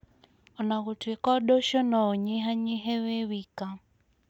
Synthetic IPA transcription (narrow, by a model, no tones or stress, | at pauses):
ɔnaɣutʰikɔɗɔʃɔnɔɔɲiɦaɲiɦɛwɛwika